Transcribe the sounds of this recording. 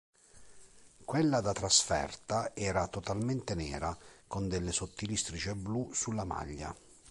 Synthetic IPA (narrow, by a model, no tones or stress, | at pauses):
kwelːad̪at̪ɾasfɛ̰rt̪aɛːɾat̪ɔt̪alment̪enɛ̰ːɾakond̪elːesot̪ːilist̪ɾit͡ʃeblusulːama̰ʎːa̰